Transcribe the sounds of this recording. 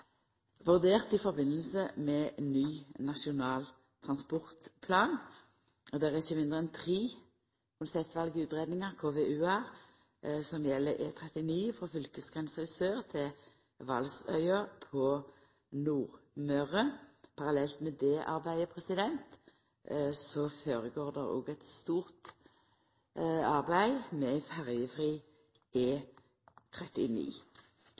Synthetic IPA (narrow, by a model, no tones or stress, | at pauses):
ʋʉʁd̪eːʁt̪ɪfɔʁbɪnəlsəmɛnyːnɑʃɪʊnɑːl | t̪ʰʁɑnspɔʁt̪pʰlɑːn | d̪æʁæʁɪçːəmɪnd̪ʁəɛnt̪ʰʁiː | kʰʊnsɛpt̪ʋɑlɡəʉːt̪ʁeːd̪nɪŋəʁkʰoːʋeːʉːæ | sɔmjɛlːəʔḛːt̪ʰʁɛt̪ɪniːfʁɑːfʏlkəsɡʁɛnsʁɛɪsøːʁt̪ʰɪl | ʋɑlsœʏəpʰɔ | nuːʁmœʁəpʰɑʁɑlɛlt̪mɛd̪ɛːʔɑ̰ʁbæɪəpʰʁɛsɪd̪ɛnt̪ | sɔføːʁəɡoːʁd̪ɛʁo̰ːɡɛt̪st̪uːʁt̪ | ɑʁbæɪmɛfæʁjəfʁiː | eː | t̪ʰʁɛt̪ɪnḭː